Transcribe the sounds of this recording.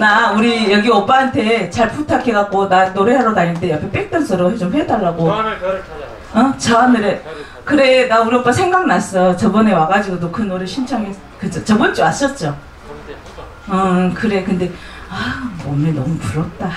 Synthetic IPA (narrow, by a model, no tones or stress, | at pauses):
nauɾijʌɡiʌp͈aɦantʰe̞t͡ɕaɭpʰutʰakʰeɡak̚k͈onanoɾeɦaɾʌnaɲːɯndejʌpkʰep͈ek̚t͈ʌnsʰʌɾoɦet͡ɕomɸwe̞daɭːaɡo | ʌt͡ɕanɯɾe | kɯɾe̞nauɾiʌp͈asʰeŋɡaɡ̚nas͈ʌjot͡ɕʌbʌne̞waɡad͡ʑiɡodokɯnoɾeɕʰint͡ɕʰaŋes | kɯt͡ɕʰot͡ɕʌbʌnt͡ɕ͈iwas͈ʌt̚t͡ɕ͈o | ʌkɯɾe̞kɯnde̞ | amʌmenːʌmupuɾʌt̚t͈a